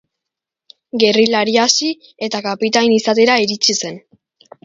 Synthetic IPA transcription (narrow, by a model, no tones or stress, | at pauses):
ɡe̞rilaɾiasi | e̞t̪akapit̪ajnisat̪e̞ɾaiɾit͡ʃise̞n